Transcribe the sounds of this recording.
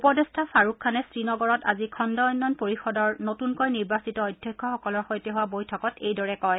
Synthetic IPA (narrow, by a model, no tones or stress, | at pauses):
upɔdɛstʰapʰaɹukʰːanɛsɹinɔɡɔɹɔta̰zikʰɔndɔɔjnːɔnpoɹixɔdɔɹnotunkɔjniɹbasitɔɔjdʱjɔkʰːɔxɔkɔlɔɹxojtɛɦuwabojtʰɔkɔtejdɔɹɛkɔj